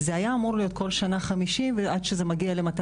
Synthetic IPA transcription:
zeajaːmuʁlijo̞t̪̚ko̞lʃanaχamiʃimveʔadʃezemaɡiale̞mat

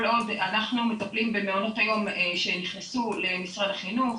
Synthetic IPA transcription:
lo̞danaχnumetaplimbemeono̞thajo̞mʃeniχnesule̞misʁadaχinuχ

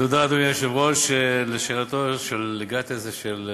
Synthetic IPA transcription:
od̪ad̪mjaʃevʁoʃeleʃeʁat̪oʃelːeɡat̪ezeʃel

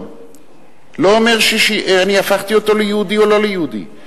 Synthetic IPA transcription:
loːme̞ʁʃiʃianiafaχt̪iot̪o̞lejehud̪io̞lo̞lejeɦud̪ḭ

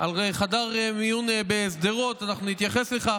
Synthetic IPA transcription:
alʁejχadaʁmijunebesd̪eʁo̞t̪anaχnunit̪jaχe̞sle̞χa

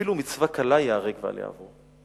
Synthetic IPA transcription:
ilumit͡svakalajaʁeɡva̰l̰ja̰ːvo

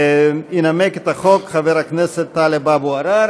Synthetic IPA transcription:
inameket̪haχokχaveɾakneset̪ːalebabuaɾaɾ

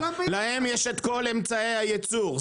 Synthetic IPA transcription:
lahe̞mjeʃet̪ko̞le̞mt͡saejhajet͡suʁ

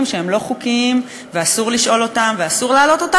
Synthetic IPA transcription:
mʃeemlo̞χukim | veasuʁliʃʔo̞lo̞tamveasuʁlaːlo̞t̪o̞ta

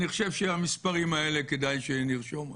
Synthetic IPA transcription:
niχo̥ʃevʃeamispaʁimae̞le̞ked̪ajʃeniʁʃo̞m

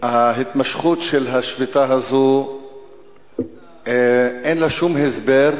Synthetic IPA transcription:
haɦit̪maʃχutʃelɦaʃvit̪aɦazo | enlaʃumɦesbeʁ

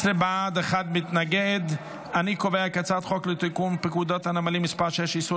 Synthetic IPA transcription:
sɾebad̪eχad̪mit̪naɡed̪ | anikoveakat͡sat̪χoklet̪ikumpikud̪ot̪hanamalimispaʁʃejɛʃisu

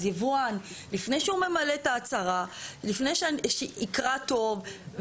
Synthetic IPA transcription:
ivuanlifnejʃeume̞malet̪aːt͡saʁalifnejʃʃeikʁato̞v

